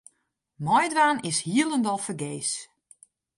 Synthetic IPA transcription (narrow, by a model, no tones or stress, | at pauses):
mɔjdʋaːnɪshiəlˠəndɔlˠfəɡeːs